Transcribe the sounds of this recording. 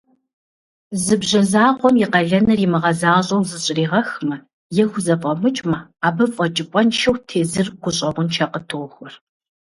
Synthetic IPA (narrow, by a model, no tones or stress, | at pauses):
zɨbʑɐzaːqʷɔmjiɪqɐɮɐnɐrimɨʁɐzaːɕʼɐwzɨɕʼɪriːʁɐxmɐ | jɛxʷʊzɐfʼɐmɨt͡ʃʼmɐaːbɐfʼɐt͡ʃʼɪpʷʼɔnʃɐwtʰeːzɨrɡ̥ʷʊɕʼɐʁʷʊnt͡ʃʰaqətʰɨʁxʷɔr